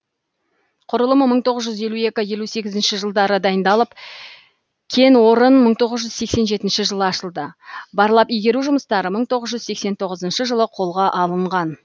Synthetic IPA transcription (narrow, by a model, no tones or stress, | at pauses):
qʰʊɾəlˠəməməɴt̪ʰo̞ʁəzʒʏzje̞lue̞kʲɪje̞luse̞ɡʲɪzɪnʃɪʒəlˠd̪ɑɾəd̪ɑjənd̪ɑlˠəp | kʲʰe̞nwo̞ɾənməɴt̪ʰo̞ʁəzʒʏzse̞kse̞nʒe̞t̪ɪnʃɪʒəlˠəɑʃəlˠd̪əbɑɾlˠɑpijɡʲe̞ɾuʒʊməst̪ɑɾəməɴt̪ʰo̞ʁəzʒʏzse̞kse̞nt̪ʰo̞ʁəzənʃəʒəlˠəqʰo̞lˠʁɑʔɑlˠəɴʁɑn